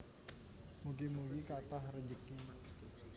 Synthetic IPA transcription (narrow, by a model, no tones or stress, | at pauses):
muɡimuwikat̪ahrəɲd͡ʒəki